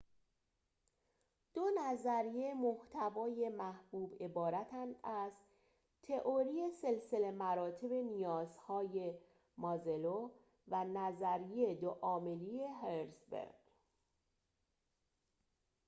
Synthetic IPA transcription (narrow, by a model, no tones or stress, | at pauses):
d̪̥onæzæɾije̞moht̪ʰævɒːje̞mæhb̥uːbe̞bɒːɾæt̪ʰænd̪æz | t̪ʰe̞ʔoɾijese̞lse̞le̞mæɾɒːt̪ʰe̞be̞nijɒːzhɒːje̞ | mɒzelo | vænæzæɾijed̪oʔɒːme̞lie̞ɦeɾsbḛɾɡ